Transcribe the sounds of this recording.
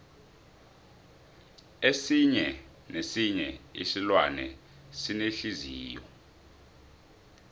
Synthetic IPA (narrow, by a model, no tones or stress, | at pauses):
esiɲɛ | nesiɲɛisilwanɛ̰ | sineɬiziːjɔ